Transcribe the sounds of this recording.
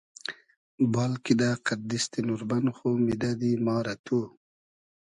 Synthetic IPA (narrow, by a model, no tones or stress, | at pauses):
bɑːlkid̪aqaɾd̪ist̪enuɾbanxumid̪ad̪imɑːɾat̪ʰu